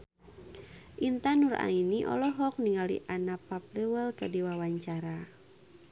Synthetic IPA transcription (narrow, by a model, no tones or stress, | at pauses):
ʔint̪anura̰iniʔɔ̰lɔɦɔk̚niŋalḭʔanapap̚lewəlkədiwawaɲt͡ʃaɾa